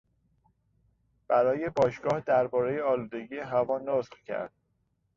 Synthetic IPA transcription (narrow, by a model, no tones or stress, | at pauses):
b̥æɾɒːje̞bɒːʃɡ̥ɒːhd̪æɾbɒːɾejeɒːluːd̪e̞ɟijeɦævɒːnosqcʰæ̰ɾd̪̥̚